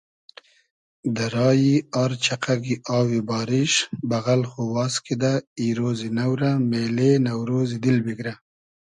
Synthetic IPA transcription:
d̪əɾɑːjiɑɾt͡ʃaqaɡiʔɑːwibɑːɾɪʃbaɣalxowɑːskid̪aiɾozinawɾamelenawɾozid̪ɪlbiɡɾa

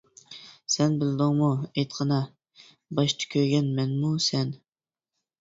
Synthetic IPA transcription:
sɛnbɪlɪd̪ɪŋmuejt̪qʰɑnɑ | bɑʃt̪ʰɨ̥kʲʰøɡʲɛnmɛnmusɛn

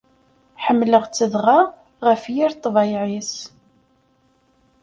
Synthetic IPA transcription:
ħəmːləʁt͡sːəðʁa | ʁəfjiɾt̪ˤːvɑjʕis

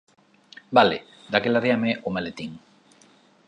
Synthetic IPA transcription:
bale | d̪akelaðeameʔomalet̪iŋ

